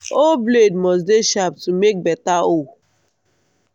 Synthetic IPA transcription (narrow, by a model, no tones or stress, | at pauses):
obledmɔs̬deʃap̚tumek̚bɛtao